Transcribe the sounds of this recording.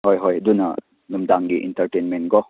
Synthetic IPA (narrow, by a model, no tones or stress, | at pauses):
ɦɔjɦɔjdunɐ̰ | numdaŋɡiʔḭntəɾʈenmenɡɔ